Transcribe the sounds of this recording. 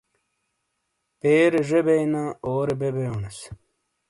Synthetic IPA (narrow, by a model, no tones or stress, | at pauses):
peːɾeʐebejnaoːɾebebeones